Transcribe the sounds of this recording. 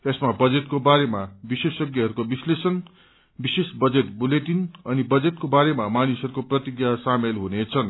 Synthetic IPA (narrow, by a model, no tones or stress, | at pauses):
tesmabʌd͡zet̪kobaɾemabisesjʌɡjʌɦʌɾukobislesʌn | bisesbʌd͡zet̪bulet̪inʌnibʌd͡zet̪kobaɾemamanisʌɾukoprʌt̪iɡjasamelɦunet͡sʰʌn